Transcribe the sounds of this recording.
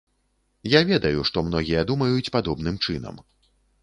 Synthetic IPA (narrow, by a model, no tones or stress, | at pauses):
javʲɛd̪ɐjuʂt̪ɔmn̪ɔɣʲijɐd̪umɐjut͡sʲpad̪ɔbnɨmt͡ʂɨnɐ̰m